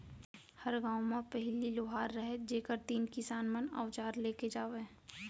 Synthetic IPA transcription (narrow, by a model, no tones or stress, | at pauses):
hɐɾɡãːwmãpɛɦɪliloːɦaːɾːəɦed͡ʒeːkəɾt̪iːnkɪsaːnməna̰ːʊʋt͡ʃaːɾleːked͡ʒaːʋẽ